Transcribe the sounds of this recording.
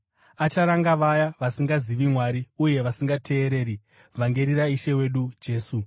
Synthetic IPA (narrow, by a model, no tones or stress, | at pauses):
at͡ʃaɾaŋɡaʋajaʋasiŋɡaziʋimwaɾiuje̞ʋasiŋɡatʰe̞ːɾe̞ːɾi | vʱaŋɡe̞ɾiɾaiʃe̞we̞ɗud͡ʒe̞ːsu